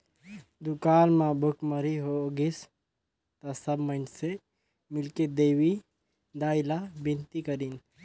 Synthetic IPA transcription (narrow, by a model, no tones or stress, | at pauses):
d̪ukaːnmãbʱukməɾiɦoɡis | t̪asəbmənse | mɪlked̪eːwi | d̪aːilabɪnt̪ikəɾin